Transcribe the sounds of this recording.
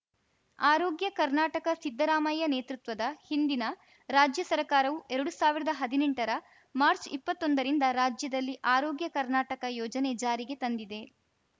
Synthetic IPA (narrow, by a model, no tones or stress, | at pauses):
aːɾoːɡjɐkɐɾnaːʈɐkɐsid̪ːɐɾaːmɐjɐneːt̪ɾut̪ʋɐd̪ɐhind̪inɐ | ɾaːd͡ʒjɐsɐɾɐkaːɾɐʋuʔɛɾɐɽusaːʋiɾɐd̪ɐɦɐd̪ineɳʈɐɾɐ | maːɾt͡ʃipːɐt̪ːo̞nd̪ɐɾind̪ɐɾaːd͡ʒjɐd̪ɐlːiʔaːɾoːɡjɐkɐɾnaːʈɐkɐjɔːd͡ʒɐne̞d͡ʒaːɾiɡe̞t̪ɐnd̪id̪e̞